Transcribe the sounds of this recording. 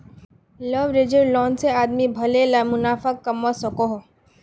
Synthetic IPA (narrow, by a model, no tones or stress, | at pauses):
ləʋɾed͡ʒəɾlɔːnseaːd̪mibʱɐlelamʊnaːfakːɐmasɔkoɦo